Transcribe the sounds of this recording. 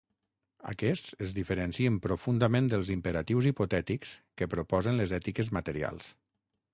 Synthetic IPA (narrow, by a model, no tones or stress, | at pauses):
ə̰kɛst͡səzðifəɾənsiəmpɾofund̪əmẽnd̪əlˠzimpəɾat̪iwzipot̪ɛt̪ikskəpɾopɔzənləzɛt̪ikəzmət̪əɾia̰lˠs